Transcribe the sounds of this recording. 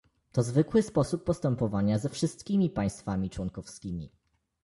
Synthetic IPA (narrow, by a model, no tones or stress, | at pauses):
t̪ɔzvɘkwɘspɔsupːɔst̪ɛmpɔvaɲazɛfʂɘst̪̚kʲimʲipaj̃st̪famʲit͡ʂwɔŋkɔfskʲimʲḭ